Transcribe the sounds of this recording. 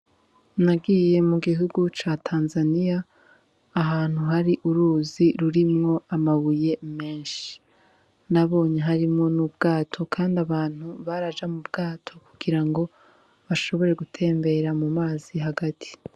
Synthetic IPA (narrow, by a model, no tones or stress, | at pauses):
naɡije̞muɡiɦuɡut͡ʃatʰaːnzanijaː | ɦaːn̥huɦaɾiʔuɾuːziɾuɾimŋo̞amaβuje̞me̞ːnʃi̥ | naβo̞ːɲeɦaɾimŋo̞nub̚ɡaːtʰo̞kʰaːndaβaːn̥huβaɾad͡ʒamubɡaːtʰo̞kuɡiɾaŋɡo̞ | βaʃo̞βo̞ɾe̞ɡutʰe̞ːmbe̞ɾamumaːziɦaɡatʰi̥